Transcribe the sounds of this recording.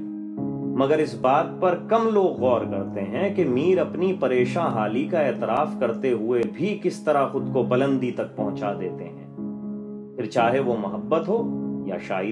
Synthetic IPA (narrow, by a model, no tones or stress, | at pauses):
mɐɡəɾɪsbaːd̪̚pɐɾkɐmloːɡɣɔːɾkɐɾt̪eɦɛ̃kemiːɾɐpnipɐɾeːʃãɦaːlikaɛːt̪ɪɾaːfkɐɾt̪eɦʊebʱikɪst̪ɐɾaxʊd̪kobɐlə̃nd̪it̪ɐk̚pɐ̃ɦʊ̃t͡ʃad̪eːt̪eɦɛ̰̃ː | pɪɾt͡ʃaːɦeʋomɐɦəbːət̪ɦoːjaʃaːi